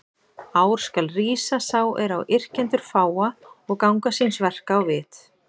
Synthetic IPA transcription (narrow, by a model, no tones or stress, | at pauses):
aːwɾ̥skalriːsasawɛɾawʔɪr̥cɛnt̪ʏɾ̥faːwaɔɣkawŋkasinsvɛr̥kaːwvɪːt̪